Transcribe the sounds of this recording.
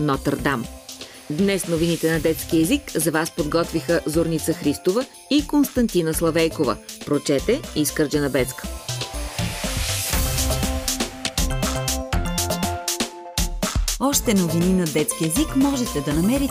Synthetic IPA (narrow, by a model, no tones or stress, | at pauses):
nɔt̪ɐɾd̪am | d̪nɛsnovinit̪ɛnɐd̪ɛt̪sk̟iɛzikzɐvaspod̪ɡɔt̪vixəzoɾnit̪səxɾist̪ovə | ikonst̪ɐnt̪inəslˠɐvɛjkovə̰pɾot͡ʃɛt̪ɛiskəɾd͡ʒɛnɐbɛt̪skə̥ | ɔʃt̪ɛnovininɐd̪ɛt̪skiɛzikmɔʒɛt̪ɛd̪ɐnɐmɛɾi